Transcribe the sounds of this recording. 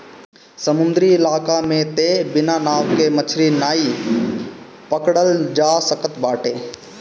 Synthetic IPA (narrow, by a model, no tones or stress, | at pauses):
səmʊ̃nd̪ɾiɪlaːkamẽt̪ebɪnanaːʋkemət͡ʃʰɾinaːi | pəkɽəld͡ʒaːsəkət̪baːʈeː